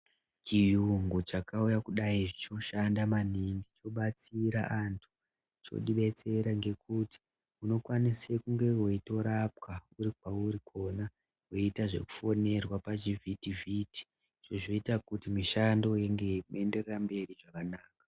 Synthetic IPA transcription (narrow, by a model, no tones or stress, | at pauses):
t͡ʃijuŋɡut͡ʃakaujakuɗaiʐit͡ʃo̞ʃandamaniŋɡit͡ʃo̞ɓat͡siɾa̰ʔantʰu̥ | t͡ʃo̞̰ɗiɓe̞t͡se̞ɾaŋɡe̞kuti̥ | uno̞kwanisekuŋɡe̞ɦweito̞ɾap̚kauɾik̚wauɾikʰo̞na | ɦweitaʐe̞̰ku̥fo̞ne̞rwapat͡ʃivʱitivʱiti̥ | ʐ̥oʐo̞itakutimiʃando̞jeŋɡe̞me̞nde̞rerambe̞riʐakanaːkḁ